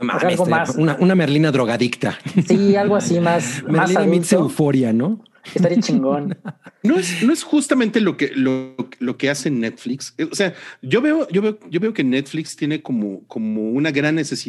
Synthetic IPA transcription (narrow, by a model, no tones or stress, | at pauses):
maalɣomasunaʔunameɾlinaðɾoɣaðikt̪a̰sialɣoasimasmeaɾasliaðamĩseufo̞ɾjano̞ | est̪aɾiat͡ʃiŋɡonno̞esno̞e̞sxust̪ament̪e̞lo̞keloklo̞kease̞net̪flikseose̞aʝo̞βe̞o̞ʝo̞βe̞oɟ͡ʝo̞βe̞o̞ke̞net̪flikst̪jene̞ko̞mo̰ko̞mo̞unaɣɾanːe̞se̞si